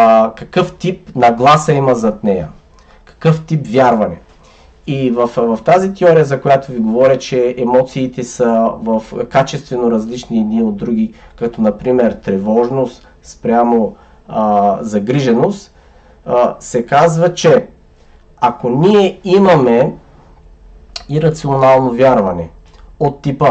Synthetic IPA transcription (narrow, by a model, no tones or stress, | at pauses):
kɐkɤft̪ip̚nɐɡlˠasɐimɐzɐt̪nɛjɐ̰ | kɐ̥kɤft̪ipvʲjaɾvɐnɛ | ivɐfvɐft̪azit̪ɛɔɾijəzɐkojat̪oviɡovɔɾʲət͡ʃɛɛmɔt̪siːt̪ɛsəvɐfkat͡ʃɛst̪vɛnoɾɐzlit͡ʃniɛd̪niod̪ɾuɡ̟ʲikɐt̪ɔnɐpɾimɛɾt̪ɾɛvɔʒnost̪ | spɾʲamo | zɐɡɾiʒɛnost̪ | sɛkazvɐt͡ʃɛ | akoniɛimɐmɛ | iɾɐt̪sionalˠnovʲjaɾvɐnɛ | ot̪ːipə